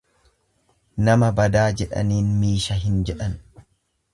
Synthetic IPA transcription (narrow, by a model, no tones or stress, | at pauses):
nɐmɐbɐd̪aːd͡ʒɛᶑɐ̰niːnmiːʃɐɦɪnd͡ʒɛᶑɐn